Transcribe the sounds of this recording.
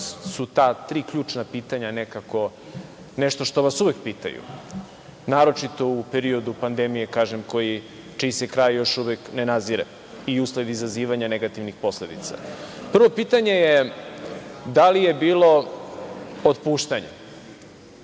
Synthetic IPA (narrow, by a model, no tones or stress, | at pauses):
sut̪at̪ɾiːkʎuːt͡ʂnapiːt̪aɲanekako̞ | neʃt̪oʃt̪o̞ʋasuʋe̞k̚piːt̪a̰jṵ | naːɾo̞t͡ʂit̪o̞upeɾio̞d̪upand̪emije̞kaːʒemko̞ji | t͡ʃiːsekɾajjo̞ʃuʋeknenaziɾḛ | iusle̞d̪izaziːʋaɲane̞ɡat̪iʋnixpo̞sle̞d̪ḭt̪sa̰pr̩ʋo̞piːt̪aɲe̞je | d̪alijebiːlo̞ | ot̪puːʃt̪aɲḛ